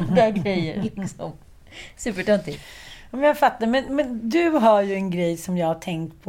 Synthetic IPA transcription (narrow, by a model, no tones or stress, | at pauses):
aɡɾɛjːəɾlɪksɔ̰m | sʉ̟ːpəʈɵnt̪ɪmɛnjaɡfat̪ːaɾmɛnmɛnd̪ɵɦaɾjɵɛnɡɾɛjsɔmjɑːɡhaʈʰɛŋkt̪pʰɔ